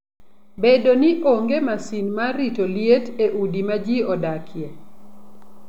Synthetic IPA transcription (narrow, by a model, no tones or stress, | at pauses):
bedoniʔoŋɡemasinmaɾitoljeteʔudimad͡ʒiɔdakʰje